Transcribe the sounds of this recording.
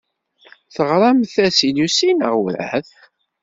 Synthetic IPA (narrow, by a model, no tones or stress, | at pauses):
θəʁɾˤɑmθæsiljusinəʁwɾæ̰θ